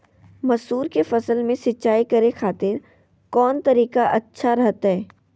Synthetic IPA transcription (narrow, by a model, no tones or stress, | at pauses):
mɐsuːɾkefɐsəlmẽsɪtːʃaːikɐɾexaːt̪ɪɾ | kɔːnt̪ɐɾiːkaʔɐtːʃʰaɾɐɦt̪aɦɛː